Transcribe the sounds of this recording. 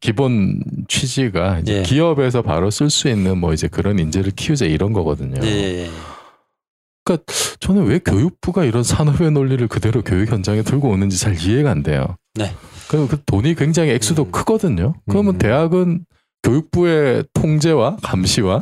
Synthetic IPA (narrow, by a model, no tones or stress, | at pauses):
kibont͡ɕʰwid͡ʑiɡaid͡ʑekiʌbe̞s̬ʰʌpa̰ɾʌs͈ɯɭs͈uinːɯnmʌid͡ʑe̞kɯɾʌnind͡ʑe̞ɾɯɭkʰijud͡ʑeiɾʌnɡʌɡʌdɯɲo̰ | k͈at͡ɕʌnɯnwe̞kʲjojuk̚p͈uɡaiɾʌnsʰanʌbe̞noʎːiɾɯɭkɯde̞ɾokjojukʰjʌnd͡ʑaŋetɯɭɡoːnɯnd͡ʑit͡ɕaɭie̞ɡaːnde̞̰jo̰nekɯkɯtoɲikwe̞ŋd͡ʑaŋɦiek̚s͈udokʰɯɡʌdɯɲokɯɾʌmɯnte̞ɦaɡɯn | kjojuk̚p͈ue̞tʰoŋd͡ʑe̞wakamɕʰiwa